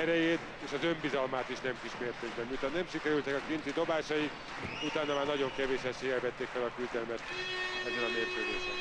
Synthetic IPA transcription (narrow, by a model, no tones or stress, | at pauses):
ɛɾɛjeːt̪ | eːʃɒzø̞mbizɒlmaːt̪iʃnɛmkiʃmeːrt̪eːɡbɛmmiut̪ʰɒnɛmʃikɛɾylt̪ɛkɒkint̪id̪o̞baːʃɒik | ut̪aːnɒmaːrnɒɟo̞ŋkɛveːʃɛsejɛvɛt̪ːeːkfɛlɒkyld̪ɛlmɛt̪ɛzːɛlɒmeːrk̪øːd̪eːʃɛn